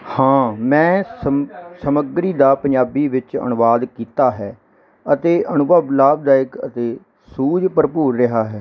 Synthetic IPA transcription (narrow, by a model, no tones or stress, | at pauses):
hãːmɛ̃ːsəsəməɡɾiːd̪aːpəɲd͡ʒaːbiːʋɪt͡ʃə̰nʊʋaːd̪kiːt̪aːɦɛː | ət̪eːʔənʊbablaːb̚d̪aːɪkə̰t̪eː | suːd͡ʒpəɾpuːɾːɪɦaːɦɛː